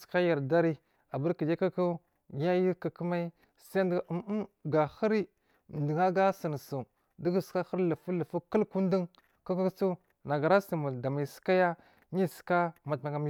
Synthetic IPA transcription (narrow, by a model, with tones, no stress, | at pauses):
ska˦ja˨ɾda˦ɾi˦ | a˨ba˦ɾki˨d͡ʒa˦ka˦ka˦ | ja˦ji˦ka˨kə˦ma˦ | sa˦ndɡa˨xi˦ɾi˦˨ | n˨di˨ŋa˦ɡa˦sə˨n˨su˨ | di˦ɡu˨ska˦xə˦ɾlə˨fu˦lə˨fu˦kə˦lku˦n˦də˦ŋ | ka˦ka˦kt͡su˦ | na˨ɡa˨ɾa˦si˨ma˨da˨mi˨ska˦ja˦ | ɲi˦ska˦ma˨tma˨ŋɡa˨mi˦